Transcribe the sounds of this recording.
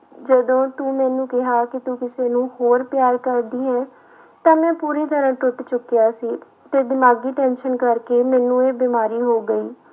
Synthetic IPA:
d͡ʒəd̪õːt̪uːmɛ̃ːnũːkɪɦaːkɪt̪uːkɪseːnũːhoːɾpjaːɾkəɾd̪iːɦɛː | t̪ãːmɛ̃ːpuːɾeːd̪əɾãːʈʊʈt͡ʃʊkːjaːsiː | t̪eːd̪ɪmaːɡiːʈɛ̃ːnʃənkəɾkeːmɛ̃ːnũːeːbɪːmaːɾiːɦoːɡəiː

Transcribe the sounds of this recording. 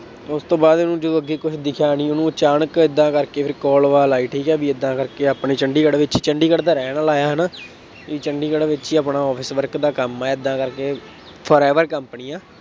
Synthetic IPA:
t̪ːʊst̪õːbaːd̪onũːd͡ʒəd̪oːəɡːeːkʊt͡ʃʰd̪ɪkʰjaːnĩːʊnũːt͡ʃaːnəkɪd̪ːãːkəɾkeːpʰɪɾkɔːlʋaːlaːiːʈʰiːkɛːbiːɪd̪ːãːkəɾkeːaːpɳeːt͡ʃəɳɖiːkəɽʋɪt͡ʃiːt͡ʃəɳɖiːkəɽd̪aːɾɛːnəlaːjaːɦəna | iːt͡ʃəɳɖiːkəɽʋɪt͡ʃiːaːpɳaːɔːpʰɪsʋəɾkd̪aːkəmɛːɪd̪ːãːkəɾkeː | pʰɔːɾɛːʋəɾkəmpniːãː

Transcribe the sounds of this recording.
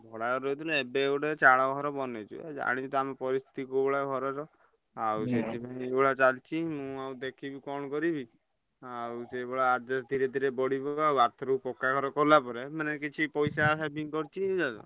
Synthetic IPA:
bʱɔɽaɾɔjt̪ʰilɛebeeɡuʈet͡ʃaɽaɡɔɾɔbɔnet͡ʃʰṵḛd͡ʒa̰ɽ̃it͡ʃʰɔt̪ɔamepɔɾist̪ʰi̥t̪ikubɔɽaɡʱɔɾɔɾɔ | awset̪ibʱãĩebɔɽat͡ʃalt͡ʃʰimũawd̪ekʰibikɔɳ̃kɔɾibi | awseːbɔɽaːd͡ʒɔsd̪ʱiɾed̪ʱiɾebɔɽibɔawaɾt̪ʰɔɾupɔkːaɡʱɔɾɔkɔlapɔɾemanɛkit͡ʃʰipɔjsasabiŋkɔɾt͡ʃʰied͡ʒad͡ʒɔ̰

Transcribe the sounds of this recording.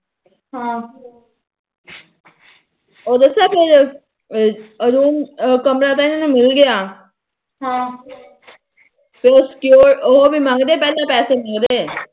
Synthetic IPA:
ɦãː | oːd̪esaːpʰɪɾ | əɾuːnkəmɾaːt̪ãnnũmɪlɡəjaː | ɦãː | pʰeoskjoːɾoɦobimãːŋɡd̪eːpɛːlapɛːsemãːŋɡd̪eː

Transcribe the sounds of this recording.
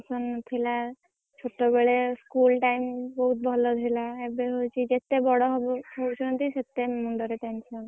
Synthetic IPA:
sɔnt̪ʰila | t͡ʃʰoʈːɔbeɭeskulʈaimbɔɦut̪̚bʱɔlɔd̪ʰʱilaebeɦojt͡ʃʰid͡ʒet̪ebɔɽɔɦbɦowt͡ʃʰɔnɔt̪iset̪emuɳɖɔɾeʈensɔn

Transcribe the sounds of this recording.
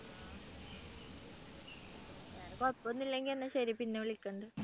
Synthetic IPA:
aːɾepɐt̪pːonːilːeŋɡilenːɐɕɐɾipinːeʋeɭikʲːɐɳɖɨ

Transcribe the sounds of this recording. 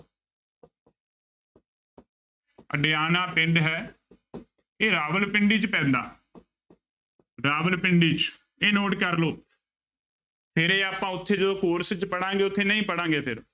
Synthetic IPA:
ə̰ɖejaːnaːpɪɳɖɦɛː | eːɾaːʋəlpɪɳɖiːt͡ʃpɛ̃ːnd̪a̰ː | ɾaːʋəlpɪɳɖiːt͡ʃ | eːnoːʈkəɾloː | pʰeːɾeːaːpãːʊt̪ʰːeːd͡ʒəd̪oːkoːɾst͡ʃpəɽãːŋɡeːʊt̪ʰːeːnəĩːpəɽãːŋɡeːpʰɪɾ

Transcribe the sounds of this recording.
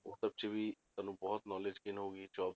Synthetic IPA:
oːsɐb̚t͡ʃebʱit̪ɐnũbɔɦʊt̪nɔːled͡ʒkɪnɦoːɡid͡ʒɔːb

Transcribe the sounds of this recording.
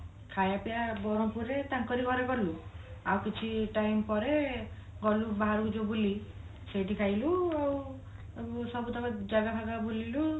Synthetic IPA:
kʰajapijabɔɾɔpuɾet̪aŋkɔɾiɡɔɾekɔɾilu | awkit͡ʃʰiʈajmpɔɾe | ɡɔlubaɦaɾuud͡ʒobuli | seʈikʰajluaw | sɔbut̪ʰakɔd͡ʒaɡapʰaɡabolilu

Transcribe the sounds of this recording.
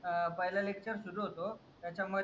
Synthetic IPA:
pəɦilalek̚t͡ɕəɾsud̪ʱoɦot̪ot̪jat͡ɕamə

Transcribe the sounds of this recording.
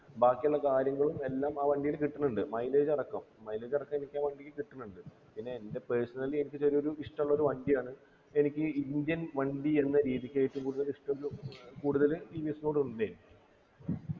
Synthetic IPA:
baːkːijuɭːɐkaːɾjɐŋːɐɭume̞lːaːmaːʋɐɳɖijilkiʈːunːuɳɖɨmɐjle̞ːd͡ʑɐrɐkːɐmːɐjle̞ːd͡ʑɐrɐkːɐme̞nikʲːaːʋɐɳɖijːikiʈːunːuɳɖɨ | pinːe̞ːnde̞peːsɐnɐle̞nikʲːɨt͡ɕɐɾio̞ɾuiʂʈɐmuɭːɐoɾuʋɐɳɖijaːɳɨ | e̞nikʲːɨind̪jɐnʋɐɳɖie̞nːɐɾiːðikʲːaːjiʈːumkuːɽuðɐliʂʈɐmoɾukuːɽuðɐlʈiːʋisnoːɽud̪eːli

